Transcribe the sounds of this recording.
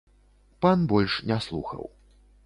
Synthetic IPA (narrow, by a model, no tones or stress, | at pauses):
panbɔlʲʂnʲɛslˠṵxɐ̰w